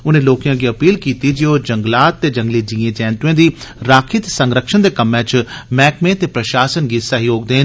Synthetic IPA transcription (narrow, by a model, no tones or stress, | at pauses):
ʊnẽloːkijãɡiːɐpiːlkiːt̪id͡ʒiɦod͡ʑɐ̃ŋɡlaːt̪ːed͡ʒɐ̃ŋɡlid͡ʑĩːẽd͡ʒɛːnt̪uẽnd̪iɾaːkʰɪt̪sɐ̃ŋɡɾəkʃənd̪ekɐmɛ̃ːt͡ʃmɛːkmẽt̪epɾɐʃaːsənɡisɐɦjoːɡd̪eːn